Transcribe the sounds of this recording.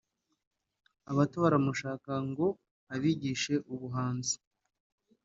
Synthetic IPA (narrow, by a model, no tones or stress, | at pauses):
aβatoɾamuʃaːkaŋɡo̞ | aβiɟiʃe̞ʔuβuɦaːnzi̥